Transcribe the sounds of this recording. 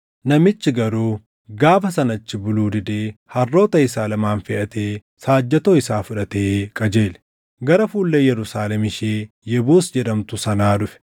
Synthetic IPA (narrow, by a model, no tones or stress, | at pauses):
nɐmɪt͡ʃːɪɡɐɾuː | ɡaːfɐsɐnɐt͡ʃːɪbʊluːd̪ɪd̪eːhɐrːo̞ːt̪ɐɪsaːlɐmaːnfɛʔɐt̪eː | saːd͡ʒːɛt̪oːɪsaːfʊᶑɐt̪eːkʼɐd͡ʒeːlɛ̥ | ɡɐɾɐfuːlːejɛɾʊsaːlɛmɪʃeː | jɛboːsd͡ʒɛᶑɐmt̪ʊsɐnaːᶑʊfɛ̥